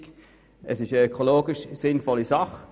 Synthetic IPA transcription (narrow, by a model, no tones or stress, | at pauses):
k | ʔəsɪʃəøkʰoloːɡɪʃsɪnfɔlːisɑχ